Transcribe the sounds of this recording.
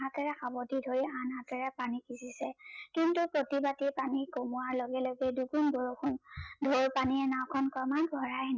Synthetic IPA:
ɦatɛɹɛxabɔtidʱoɹianɦatɛɹɛpanikisisɛkintupɹotibatipanikomuwaɹloɡɛloɡɛdukunboɹokʰundʱoɹpaniɛnawkʰɔnkɔmanbʱɔɹajn

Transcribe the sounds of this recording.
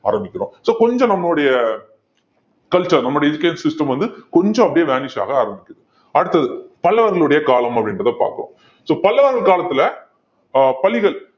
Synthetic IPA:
a̰ːɾɐmbɪkːɪɾõːsoːkɔɲd͡ʒõnɐmːɐɭoɽɐjɐ | kɐlt͡ʃɐɾnɐmːɐɯɽɐjɛd͡ʒɯkːɐjnsɪsʈɐmʋɐnd̪ɯkɔɲd͡ʒõɐpːɐɽɪjɐʋeːnɪʂa̰ːɣɐaːɾɐmbɪkʲːɯðɯ | ɐɽɯt̪ːɐðɯpɐlːɐʋɐɾɣɐɭɯɽɐjɐkaːlɐmɐpːɐɽɪnɾɐðɐpa̰ːɾkɯɽõ̰ | soːpɐlːɐʋɐɾɣɐɭkaːlɐt̪ːɪlɐ | pɐlɪɣɐɭ

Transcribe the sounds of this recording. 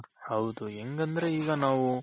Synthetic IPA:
hɐwd̪ueŋɡɐnd̪ɐɾe̞iːɡɐnaːʋu

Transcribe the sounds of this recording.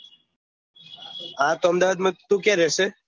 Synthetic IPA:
ãt̪oəmd̪aʋaːd̪mə̃t̪ũkɛɾɛse

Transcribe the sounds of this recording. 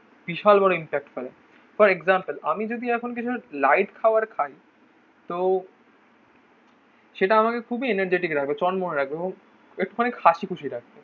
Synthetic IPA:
biʃalbɔɽoimpɛk̚ʈfelḛ | fɔɾeɡzampəlamid͡ʑod̪iɛkʰonk̬it͡ɕʰulajʈkʰaoaɾkʰaj | t̪o | ʃeʈaamakekʰubieneɾd͡ʑeʈikɾak̚ʰbet͡ɕɔnmoneɾak̚ʰbeeboŋ | ek̚ʈuɔnekʰaʃikʰut͡ɕʰiɾak̚ʰbe

